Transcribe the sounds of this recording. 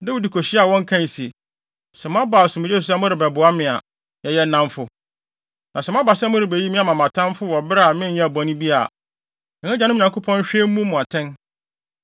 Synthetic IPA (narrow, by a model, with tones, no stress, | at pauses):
nɛ˦wu˦di˨kʰo˨ɕɪ˦a˨wɔ̃˦ŋ˦kʰã˦n˨si˨ | sɛ˨m˦ã˦baː˨sʊ̃˨mʊ̃˦ɛ˦u˨s̬a˦mʊ̃˦ɾɪ˨bɛ˨bʊ˨a˦mɪ̃˨a˨ | jɛ˦jɛ˦nã˦mfʊ˦ | nã˨sɛ˨m˦ã˦ba˨sɛ˦mʊ̃˦ɾɪ˨be˨ji˦mĩ˦a˨mã˨mã˨tʰã˦mfʊ˦wɔ˨bɾmɪ̃˦jã˦˨bɔ̃˨nĩ˦bi˦a̰˨ | ɛ̃˨ŋɛ̃˦d͡ʑa˨nʊ̃˦m̃˨ɲã˨kʊ˦pʰɔ̃˦n˦ɕᶣe˦m˦mũ˦mʊ̃˨a˨tʰɛ̃˦n